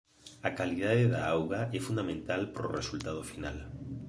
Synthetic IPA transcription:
akalið̞aðeðaawɣaʔɛfũnd̪amẽnt̪alpɾo̰rḛsult̪að̞ofinal

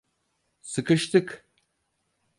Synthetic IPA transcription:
sɨkʰɨʃt̪ʰɨkʰ

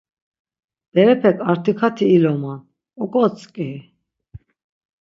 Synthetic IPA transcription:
b̪̥ɛɾɛpʰɛkʰʼaɾt̪ʰikʰat̪ʰiːlɔman | ɔkʼɔt͡sʼkʼi

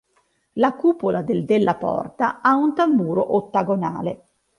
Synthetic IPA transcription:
lakuːpolʔad̪eld̪elːʔapɔ̰rt̪aaunt̪ambuːɾoʔot̪ːaɡona̰ːle

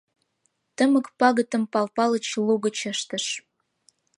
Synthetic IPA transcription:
t̪əməkpɑɣət̪ə̆mpɑlpɑlə̆t͡ɕluɣət͡ɕəʃt̪əʃ

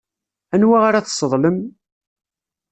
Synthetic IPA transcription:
ænwaʁaɾaθə̥sˤːəðˤləm

